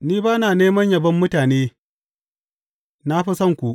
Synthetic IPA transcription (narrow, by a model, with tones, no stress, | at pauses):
niː˦baː˦naː˨neː˦mɐ˦ɲjɐ˨bɐ˦mːʊ˦taː˨neː˦ | na˦ɸi˦sɐ˦˨ŋkʷu˨ʔ